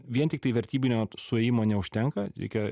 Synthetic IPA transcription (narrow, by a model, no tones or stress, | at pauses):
ʋʲiɛnt̪ʲɪkt̪ɐɪʋʲɛɾʲt̪ʲiːbʲɪnʲoːsʊɛːjɪmoːnʲɛʊʃʲt̪ʲɛŋkɐɾʲɛ̰ɪkʲɛ